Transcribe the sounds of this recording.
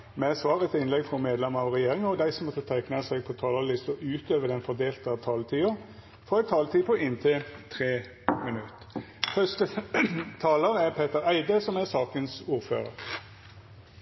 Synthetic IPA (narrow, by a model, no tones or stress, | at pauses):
mɛæsʋɑːʁət̪ʰɪnlɛɡfʁɔmeːd̪lɛməɑʋʁɛjeːɾɪŋɔd̪æɪsɔmɔt̪ʰɑt̪ʰɛknɑsɛɡ̚pʰɔt̪ʰɑːlɑlɪst̪əʔʉːt̪øːʋəd̪ɛnfɔd̪eːlt̪əɑt̪ʰɑːlt̪ʰiːə | fɾɔæɪt̪ʰɑːlt̪ʰiːpʰoʔɪnt̪ʰɪlt̪ʰɾeː | mɪnʉt̪ | fœst̪ət̪ʰɑːləɾæʁpʰeːt̪əɾæɪd̪əsɔmæsɑːkənsuːʁfø̰ːɾə̰ɾ